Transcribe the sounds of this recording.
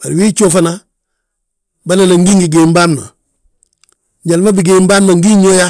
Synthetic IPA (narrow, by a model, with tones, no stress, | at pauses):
baɾiwiː˦t͡ʃoːfana | ba˦nanaŋɡi˦ŋɡi˨ɡembaː˦mna̰˨ | ɲɟa˨lma˦biɡe˨mbaː˦mnaŋɡi˦ɲoja˦